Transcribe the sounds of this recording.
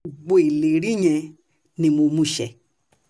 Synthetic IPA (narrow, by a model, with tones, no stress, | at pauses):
ɡ͡bo˧˦e˨le˨ɾĩ˦ɲɛ̃˧ | nĩ˧mo˧mũ˧˦˨ʃɛ̰˨